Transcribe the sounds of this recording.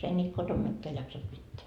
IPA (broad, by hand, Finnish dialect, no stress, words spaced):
ei nʲiːt kotom mikːeæ jɑksɑt pitːeæ